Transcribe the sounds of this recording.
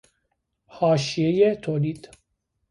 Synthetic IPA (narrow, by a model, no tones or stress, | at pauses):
hɒːʃijejet̪ʰoːliːd̪̥